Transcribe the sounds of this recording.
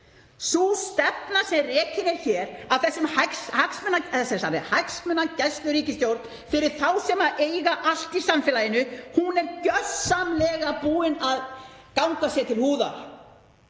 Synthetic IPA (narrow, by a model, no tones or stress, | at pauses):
sust̪ɛpnasɛmrɛːcɪnɛɾ̥çɛːɾaðθɛsːʏmhakshaksmɛnːaɛsɛsanɪ̰hajksmɛnːacɛst̪lʏɾiːcɪst̪jowɾt̪n | fɪɾɪɾ̥θawsɛmaʔeːjɣaʔal̥t̪isamfɪlajɪnːʏhunɛɾcœssamlɛːɣapuːɪnað | kawŋkasjɛt̪ʰɪlhuːða̰ɾ̥